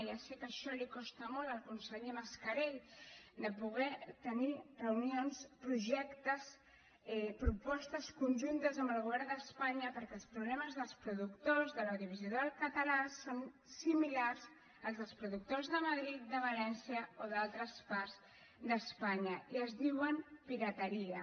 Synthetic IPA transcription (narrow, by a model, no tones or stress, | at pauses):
jasɛkəʃɔlikɔst̪əmɔlˠt̪əlˠkunsəʎeməskəɾeʎd̪əpuɣ̞ɛt̪ənirəwnionspɾuʒɛkt̪əs | ɛpɾupɔst̪əskunʲʒunt̪əzəmbəlˠɣuβɛɾrnd̪əspaɲəpəɾkɛlˠspɾuβlɛməzðəlˠspɾuðukt̪ozðələðiβiziðoəlkət̪əlason | similarz | əlˠzðəlˠspɾuðuk̚t̪ozðəməðɾit̪̚d̪əβəlɛnsiəoðalˠt̪ɾəsparz | d̪əspaɲəiəzðiwənpiɾət̪əɾiə